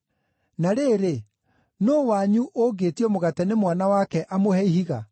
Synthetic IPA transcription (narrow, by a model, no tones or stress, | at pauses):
naɾeːɾe | noːwaːɲuʔoɡetiɔmoɣatɛnemwanawakɛʔamohɛiɦiɣa